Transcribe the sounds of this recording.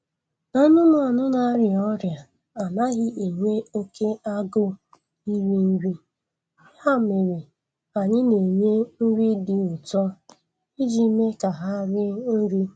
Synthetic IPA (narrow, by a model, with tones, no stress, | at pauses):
na˦nʊ˦nʊ˦a˨nʊ˦na˨˦ɾɪ˨ɔ˦ɾja˨ | a˨na˦ɣɪ˦ʔe˨ŋʷe˦o˦ke˦a˦ɡʊ˦ | i˦wi˦n̩˦ɡʷi˦ | ha˦˨me˨ɾi˨ | a˨ɲɪ˦ne˨ɲe˦n̩˦ɾi˦dɪ˨ʊ˨tɔ˦ | i˦d͡ʒi˦me˦ka˨ɦa˦ɾɪ˦n̩˦ɾi˦